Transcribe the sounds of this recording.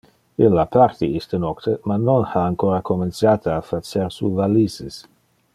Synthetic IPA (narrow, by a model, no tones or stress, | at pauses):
ilːapʰart̪iist̪ənɔkt̪ʰəmanonhaːŋkoɾakoment͡sjaːt̪aafat͡seɾsṵvalises